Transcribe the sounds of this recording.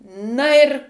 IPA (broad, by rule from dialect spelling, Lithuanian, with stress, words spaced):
ˈnɐ ɪr